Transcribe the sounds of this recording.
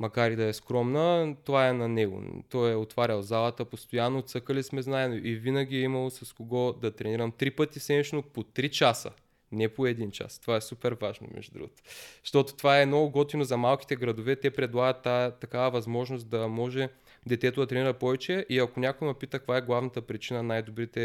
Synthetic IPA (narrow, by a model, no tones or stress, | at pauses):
mɐkaɾid̪ɐɛskɾɔmnət̪ovaɛnɐnɛɡo̰t̪ɔjɛot̪vaɾʲɐlˠzalˠɐt̪əpost̪ojanːot̪sɤkəlismɛznaɛnoʔivinəɡʲiɛimɐlˠosɐskoɡɔd̪ɐt̪ɾɛniɾɐmt̪ɾipɤt̪isɛnit͡ʃnopot̪ɾit͡ʃasə̰ | nɛpoɛd̪int͡ʃa̰st̪ovaɛsupɛɾvaʒno̰mɛ̰ʒd̪ud̪ɾṵɡot̪o̥ʃt̪ɔt̪o̥t̪ovaɛnɔɡɔt̪inozɐmalˠk̟i̥t̪ɛɡɾɐd̪ovɛt̪ɛpɾɛd̪lˠaɡət̪ːat̪ːɐkavəvɐzmɔʒnosd̪ɐmɔʒɛ | d̪ɛt̪ɛt̪od̪ɐt̪ɾɛniɾɐpɔvɛt͡ʃɛʔiɐkonʲakʊjmɐpit̪ək̚kvaɛɡlˠavnɐt̪əpɾit͡ʃinɐnajd̪obɾit̪ɛ